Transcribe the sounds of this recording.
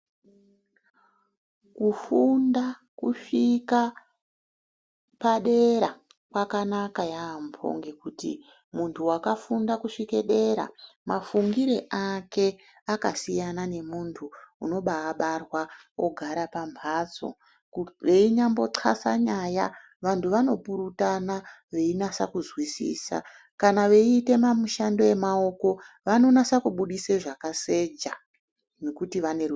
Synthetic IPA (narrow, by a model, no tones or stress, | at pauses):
kufundakuʂika | paɗe̞ɾa | kwakanakajaːmpʰo̞̰ŋɡekutḭ | muntʰuwakafundakuʂike̞ɗe̞ɾa̰mafuŋɡiɾeʔake̞ | akasijanane̞muntʰuṵno̞ɓaːɓarwa | oɡʱaɾapambʱat͡so̞̰ | ʋe̞iɲambo̞ǀʰa̰sa̰ɲaja | ʋantʰuʋano̞puɾutana | ʋe̞inasa̰kuzwisḭːsa̰ | kanaʋe̞iːte̞mamuʃando̞je̞mao̞ko̞ʋano̞nasakuɓuɗiseʐakase̞d͡ʒa | nekutiʋaner